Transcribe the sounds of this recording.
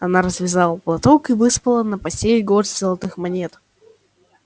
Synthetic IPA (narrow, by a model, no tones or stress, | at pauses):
ɐnaɾəzvʲɪzalˠəplˠɐt̪okɨvɨspəlˠənəpɐsʲelʲɡosʲzəlˠɐt̪ɨxmɐnʲet̪